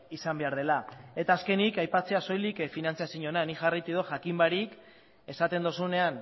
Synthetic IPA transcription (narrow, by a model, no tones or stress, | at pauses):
isambe̞aɾð̞e̞lae̞t̪aːske̞nikajpat͡se̞aso̞jlikfinant͡siasiɲo̞naniʝarajt̪iðoʝakimbaɾik | e̞sat̪e̞nd̪o̞sune̞an